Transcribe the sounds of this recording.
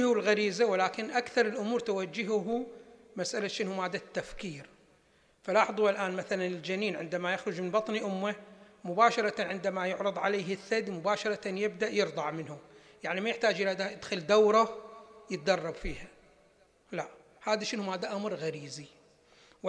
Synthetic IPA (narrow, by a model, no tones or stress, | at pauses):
hulɣaɾiːzawɪlaːkɪnʔakθɑɾˤɪlʔʊmuːɾˤt̪awad͡ʒːɪɦʊɦumasʔalaʃɪnhʊmaːd̪ːat̪ːafkiːɾ | falɑːħðˤualʔaːnmaθalanɪld͡ʒaniːnʕɪnd̪amajaxɾʊd͡ʒmɪnbɑt̪ˤniʔʊmːamʊbaːʃɑɾˤɑt̪ʕɪnd̪amajʊʕɾɨd̪ˤʕaleːɦɪθːad̪mʊbaːʃɑɾˤɑt̪anjɪb̚d̪aʔjɨɾd̪ˤɑʕmɪnhʊm | jaʕnimajɪħt̪aːd͡ʒʔɪlːad̪ajɪd̪xɪld̪awɾˤɑjɪt̪̚d̪ɑrˤːɑbfiːha | laʔ | haːðaʃɪnhʊmaːd̪ːaʔamɾɣaɾiːzi | w